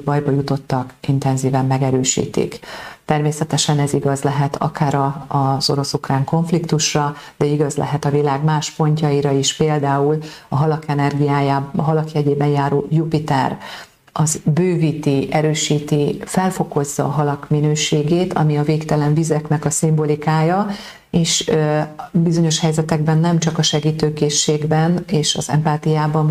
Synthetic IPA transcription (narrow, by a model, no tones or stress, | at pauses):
bɒjbɒjut̪o̞t̪ːɒkint̪ɛnziːvɛmːɛɡɛɾøːʃḭːt̪ḭkt̪ɛrmeːsɛt̪ɛʃɛnɛziɡɒzlɛɦɛt̪ʰɒ̰kaːɾɒːzo̞ɾo̞sukraːŋko̞ɱflikt̪uʃrɒd̪̥ɛiɡɒzlɛ̰ɦɛt̪ɒvilaːɡmaːʃpo̞ɲcɒiɾɒiʃpeːld̪aːulɒɦɒlɒkɛnɛrɡijaːjaɦɒlɒkjɛɟeːbɛnjaːɾoːjupit̪ɛ̰r | ɒzbøːvit̪iʔɛɾøːʃiːt̪ifɛlfo̞ko̞zːɒːɦɒlɒkminøːʃeːɡeːt̪ʰɒ̰miɒveːkt̪ɛlɛɱvizɛknɛkɒsimbo̞likaːjɒ | eːʃ | bizo̞ɲo̞ʃhɛjzɛt̪ɛɡbɛnːɛmt͡ʃɒkɒʃɛɡiːt̪øːkeːʃːeːɡbɛneːʃɒzɛ̰mpaːt̪ijaːbɒn